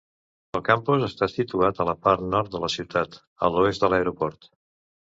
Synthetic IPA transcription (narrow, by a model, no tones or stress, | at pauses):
əlˠkampuzəst̪asit̪uat̪ələpaɾt̪nɔɾt̪̚d̪ələsiwt̪at̪ | ə̰luest̪d̪ələɾupɔɾt̪